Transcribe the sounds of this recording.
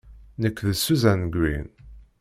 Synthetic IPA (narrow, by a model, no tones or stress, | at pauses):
nəkʷːðəsuzænɡwḭn